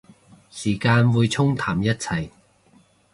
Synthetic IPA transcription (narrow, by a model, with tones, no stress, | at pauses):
siː˨˩kaː˧nwuː˨˧jt͡sʰʊ˥ŋt̪ʰaː˨˩mjɐ˥t̚t͡sʰɐ˨˩j